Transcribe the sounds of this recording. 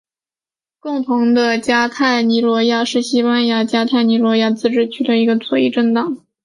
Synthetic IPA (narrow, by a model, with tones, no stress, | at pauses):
kʊ˥˩ŋt̪ʰʊ˧˥ŋd̪ə˧t͡ɕja˥t̪ʰa˥˩ɪni˧˥lwɔ˧˥ja˥˧ʂɻ̩˥˩ɕi˥pa˥nja˥˩t͡ɕja˥t̪ʰa˥˩ɪni˧˥lwɔ˧˥ja˥˧t͡sɹ̩˥˩ʈ͡ʂɻ̩˥˩t͡ɕʰy˥˩d̪ə˩i˧˥ɡə˧t͡sʰwɔ˥˧ḭ˥˧ʈ͡ʂə˥˩ŋt̪ɑ˥˩˦ŋ